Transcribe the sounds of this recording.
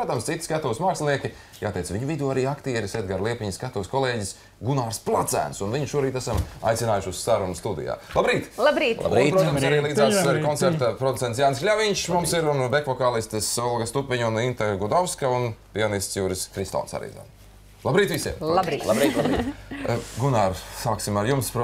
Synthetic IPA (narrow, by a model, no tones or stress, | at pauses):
ɾuɔt̪amst̪sit̪i̥skat̪ɔʋsmaːkslʲˠniɛkʲi | jaːt̪ɛjt̪sviɲuvid̪euːaɾiːakt̪iɛɾised̪̚ɡaɾlˠiɛpʲiɲskat̪uʋskɔlˠeːɟis | ɡunaːɾsplˠat̪sæ̰ːnsunviɲʃuɔɾiːt̪æsama̰jt̪sinaːjuʃusːaɾunust̪ud̪ḭja̰ːlˠabɾiːt̪lˠabɾit̪ːpɾut̪amsaɾiːlˠiːd̪zaːsɛɾkɔnt̪seɾt̪apɾod̪ut̪sent̪sjaːnsklʲaviɲʃmumsiɾund̪ekvɔkaːlˠist̪ɨsɔlˠɡɐst̪upʲiɲunint̪aɡud̪ɔwskaunpʲianist̪sjuːɾiskɾist̪ɔ̰nsa̰ɾḭza̰n | lˠabɾiːt̪ʋisiɛmbbɾi | ɡunaːɾsaːksimaɾjumspɾ